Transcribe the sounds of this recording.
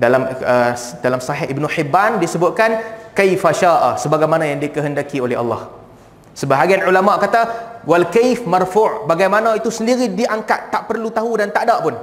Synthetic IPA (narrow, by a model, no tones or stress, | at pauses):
dalamədalamsaɦɪʔibnuħibːandisəbʊt̪̚kankajfaʃaʔasəbaɡajmanãjaŋdikəɦəndakiolɛha̰lːɑh | səbaɦaɡianʕulamaʔkat̪awalkajfmarfʊʔbaɡajmanãit̪usəndiɾidiʔaŋkat̪ːaʔpərlut̪aɦudant̪aʔdaʔpʊn